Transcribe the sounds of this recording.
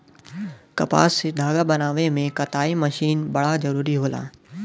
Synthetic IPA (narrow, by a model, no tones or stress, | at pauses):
kɐpa̰ːsɪd̪ʱaːɡabɐnaːʋemẽkɐt̪aːimɐʃiːnbɐɽ̤azɐɾuːɾiɦoːlã̰ː